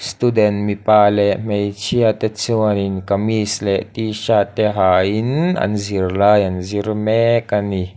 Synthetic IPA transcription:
st̪udɛnmipalɛʔmejt͡ʃʰiat̪ɛt͡siwaninkamislɛʔt̪iʃat̪ɛɦaina̰nzirlajanzirmɛkani

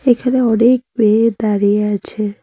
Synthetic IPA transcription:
ekʰaneɔɽek̚bed̪aɾieat͡ʃʰe

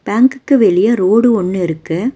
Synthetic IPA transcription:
b̥aːŋkɯkːɯʋɛɭɪjɐɾoːɽɯɔɳːɯɪɾɯkːɯ

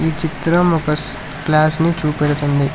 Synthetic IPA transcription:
iːt͡ʃit̪ɾɐmɔkɐs | klaːsnit͡ʃuːpeɽut̪und̪i

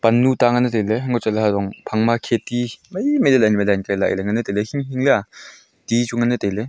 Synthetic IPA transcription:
panːutaŋɐnɯtejleɦŋɡɔt͡ʃaleɦadɔŋpʰaŋmakʰetimɐjmelelajnimelajnkajlaʔleŋɐnɯtejlehimɦiŋlea | tit͡ʃuŋɐnɯtejle

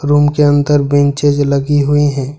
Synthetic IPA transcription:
ɾuːmkeə̃nt̪əɾbẽnt͡ʃed͡ʒləɡiɦuiɦɛ̃ː

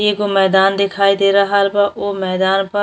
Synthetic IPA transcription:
eːkomɛːd̪aːnd̪ɪkʰaːid̪eːɾaɦalbaʔoːmɛːd̪aːnpɐ

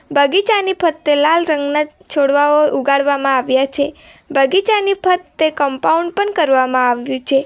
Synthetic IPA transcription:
bʱəɡit͡ʃanipʰət̪ːelalɾəŋɡnat͡ʃʰoɽʋaoʔuɡaɭʋamãaʋjat͡ʃʰebʱəɡit͡ʃanipʰət̪ːekəmpauɳɖpəɳkəɾʋamãaʋjũt͡ʃʰe

